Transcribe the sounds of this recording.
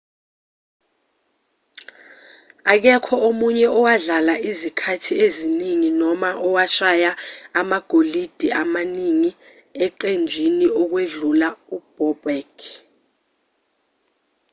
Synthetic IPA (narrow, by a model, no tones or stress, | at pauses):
ak̬ɛkʰɔʔomuɲɛɔwaɮalaʔizikʰatʰieziniŋinɔmaʔɔwaʃajaːmaɡ̥ʱolid̥ʱiamaniŋi | ɛǃend͡ʒʱiniɔk̬weɮulaub̥ɔbɛkʰ